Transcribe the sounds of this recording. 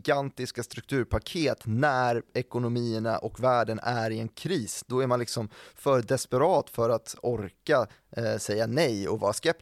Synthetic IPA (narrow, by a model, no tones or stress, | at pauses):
ɡant̪ɪskast̪ɾɵk̚t̪ʰʉ̟ːɾpʰakʰeːt̪næɾɛkʊnʊmiːəna̰ʔɔkvæːɖənʔæɾɪɛnkʰɾiːsd̪̥ɔæɾmanlɪksɔmfœd̪ɛspɛɾɑːt̪fœɾat̪ɔɾka | sɛjːanɛjɔ̰vɑːɾaskɛp̚